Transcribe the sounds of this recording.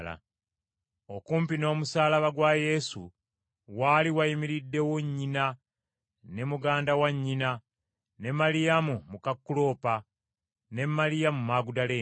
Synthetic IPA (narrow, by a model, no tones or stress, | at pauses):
la̰ | okuːmpino̞ːmusaːlaβaɡwaje̞sṵ | waːliwajimiɾidːe̞woɲːina | ne̞muɡaːndawaɲːina | ne̞malijamumukakːulo̞ːpa | ne̞malijamumaːɡudaleː